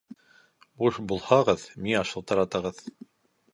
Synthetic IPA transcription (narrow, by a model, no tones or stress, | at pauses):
buʃbulˠhɑʁɤðmiɑʃɤ̆lˠt̪ɑɾɑt̪ɤ̆ʁɤð